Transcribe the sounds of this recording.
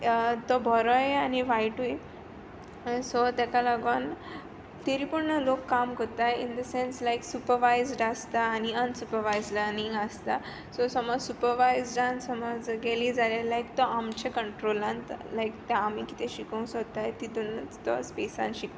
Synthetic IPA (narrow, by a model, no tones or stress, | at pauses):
t̪ɔbʱɔɾɔjeaniʋajʈuj | sɔt̪akalaɡən | t̪eɾiːpuɽɳəlokːamkət̪ajḭ̃nd̪əsenslajksupəɾʋajzɖast̪aːniənsupəɾʋajzləɾnĩŋɡast̪a | sɔsɔmɔd͡zsupəɾʋajzd͡zãnsɔmɔd͡zɡɛlid͡zalalajk̚t̪ɔamt͡ɕekəɳʈɾolãnt̪lajk̚t̪eamiki̥t̪ʰeɕikõw̃sɔt̪ajt̪it̪ont̪ɔ̰spesã̰nɕik̪